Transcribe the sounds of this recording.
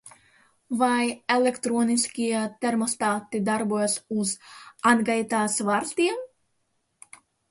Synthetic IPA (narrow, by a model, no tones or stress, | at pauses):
vajelekt̪ɾoːniskʲiɛt̪eɾmɔst̪aːt̪ːid̪aɾbuɔjasuzanɡajt̪aːsvaɾst̪iɛm